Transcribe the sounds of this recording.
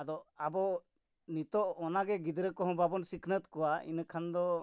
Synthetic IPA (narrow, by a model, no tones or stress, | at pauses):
ad̪ɔabɔ | nit̪ɔʔɔnaɡɛɡid̪ɾəkɔɦɔ̃babɔnsikʰnət̪kɔwaḭnkʰand̪ɔ